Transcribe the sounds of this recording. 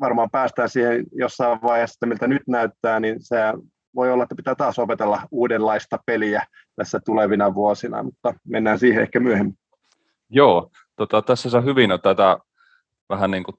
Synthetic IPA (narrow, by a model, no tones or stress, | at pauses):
ʋɑrmɑːmpæːst̪æːnsiːhenjosːɑiʋʋɑihesːt̪ːæmilt̪ænyt̪næyt̪ːæːninseæ | ʋoiolːɑet̪ːæpi̥t̪æːt̪ɑːsopet̪elːɑuːdellːɑist̪ɑpeliæ | t̪æsːæt̪uleʋinɑʋuosinɑ̰mut̪ːɑmenːæːnsiːheḛhkæmyøhemːi | joː | t̪ot̪ɑt̪æsːæsohyʋinot̪æt̪æ | ʋæhænniːŋku